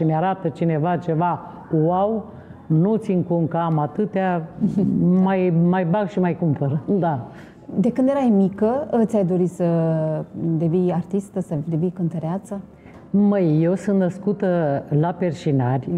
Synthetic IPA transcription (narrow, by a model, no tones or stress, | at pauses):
ʃineaɾat̪ət͡ʃine̞vat͡ʃe̞va | waw | nut̪siŋkuŋkamat̪ɨt̪ea | majmajbaɡʃimajkumpəɾəd̪a | d̪ekɨnd̪jeɾajmikəət̪ʲajd̪o̞ɾisə | d̪e̞vijart̪ist̪əsəd̪evijkɨnt̪əɾeat̪sə | məjːewsunt̪nəskut̪əlaperʃinarʲ